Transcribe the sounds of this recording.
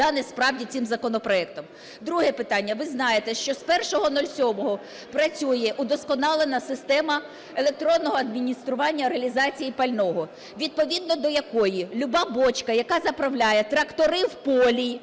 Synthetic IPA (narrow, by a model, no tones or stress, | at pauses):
ɑnɪspɾɑwdʲit͡sʲsʲɪmzɐkɔnɔpɾɔɛkt̪ɔm | d̪ɾuɦɛpɪt̪ɑnʲːɐʋɪznɑjet̪ɛʃt͡ʃɔspɛrʃɔɦɔnɔlʲsʲɔmɔɦɔ | pɾɐt͡sʲujɛʔud̪ɔskɔnɑlˠenɐsɪst̪ɛmɐ | elˠek̚t̪ɾɔnːɔɦɔɐd̪mʲinʲist̪ɾʊʋɑnʲːɐɾeɐlʲizɑt͡sʲijipɐlʲnɔɦɔ | ʋʲid̪̚pɔʋʲid̪̚nɔd̪ɔjɐkɔjilʲʊbɑbɔt͡ʃkɐjɐkɑzɐpɾɐwlʲajɛt̪ɾɐkt̪ɔɾɪwpɔlʲi